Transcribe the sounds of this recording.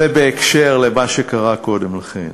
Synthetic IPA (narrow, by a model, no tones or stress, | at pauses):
ebeːkʃeʁlemaʃekaʁako̞demlaχḛn